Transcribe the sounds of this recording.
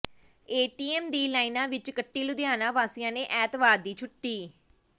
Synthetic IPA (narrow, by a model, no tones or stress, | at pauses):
eːʈiːɛːmd̪iːlaːinãːʋɪt͡ʃkəʈːiːlʊd̪jaːnãːʋaːsɪjãːnẽːʔɛːt̪ʋaːɾd̪iːt͡ʃʰʊʈːiː